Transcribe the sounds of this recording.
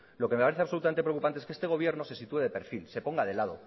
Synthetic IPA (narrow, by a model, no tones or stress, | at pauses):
lo̞keme̞paɾe̞θeaβso̞lut̪amenepɾeokupant̪eeskee̞st̪e̞ɣ̞o̞βje̞ɾno̞se̞sit̪ue̞ðepe̞ɾfilse̞po̞ŋɡaðe̞lað̞o̞̰